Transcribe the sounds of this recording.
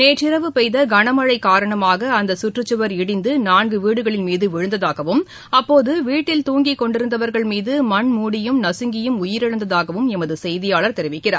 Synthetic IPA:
neːt͡ʃɪɾɐʋɯpɛɪðɐɡɐɳɐmɐɻɐɪkːaːɾɐɳɐmaːɣɐːnd̪ɐsʊʈrɯt͡ʃːɯʋɐɾɪɽɪnd̪ɯnaːnɡɯʋiːɽɯɣɐɭɪnmiːðɯʋɪɻɯnd̪ɐðaːɣɐʋɯm | ɐpːoːðɯʋiːʈːɪlt̪uːŋɡikːɔɳɖɪɾɯnd̪ɐʋɐɾɣɐɭmiːðɯmɐɳmuːɽɪjɯmnɐsɯŋɡɪjɯmʊjɪɾɐɻɐnd̪ɐðaːɣɐʋɯmɛmɐðɯsɛjðɪjaːɭɐɾt̪ɛɾɪʋɪkːɪra̰ːɾ

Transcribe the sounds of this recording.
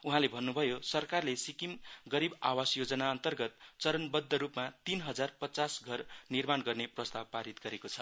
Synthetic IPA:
uɦãlebʱʌnːubʱʌjosʌrkarlesikimɡʌɾibawasjod͡zʌnaʌnt̪ʌrɡʌt̪̚t͡sʌɾʌnbʌd̪ʱːʌɾupmat̪inɦʌd͡zarpʌt͡sasɡʱʌrnirmanɡʌrneprʌst̪ab̚paɾit̪̚ɡʌɾekot͡sʰʌ

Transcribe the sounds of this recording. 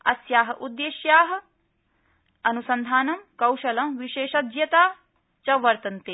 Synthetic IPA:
ɐ̰sjaːɦɐʔud̪ːeːʃjaːɦɐ̆ | ɐnusɐnd̪ʱaːnɐmkɐwʃɐlɐmʋiʃeːʃɐd̪jɐt̪aː | t͡ʃɐʋɐɾt̪ɐnt̪e

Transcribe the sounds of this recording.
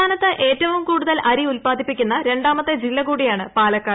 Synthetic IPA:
aːnɐt̪ːɨʔe̞ːtːɐʋumkuːɽuðɐlʔɐɾiulpaːd̪ʱipːikʲːunːɐɾe̞ɳɖaːmɐt̪ːed͡ʑilːɐkuːɽijaːɳɨpaːlɐkːaː

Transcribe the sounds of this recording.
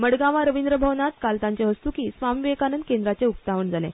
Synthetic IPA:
məɽɡãʋaɾəʋind̪ɾəbʱəʋnat̪kalt̪ãɲt͡seɦəst̪ukiːsʋamiʋekanənd̪kẽnd̪ɾat͡seuk̚t̪aʋəɳd͡zalḛ̃

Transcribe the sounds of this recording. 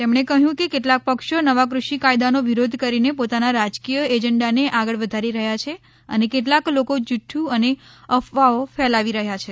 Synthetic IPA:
t̪emɳ̃ekəɦjũkekeʈlak̚pəkʃonəʋakɾuʃikajd̪anoʋiɾod̪ʱkəɾinepot̪anaɾad͡ʒkijəed͡ʒəɳɖaneʔaɡəɭʋəd̪ʱaɾiɾəɦjat͡ʃʰe | ə̰nekeʈ̬laklokod͡ʒuʈʰːjũəneəfʋaofɛlaʋiɾəɦjat͡ʃʰe

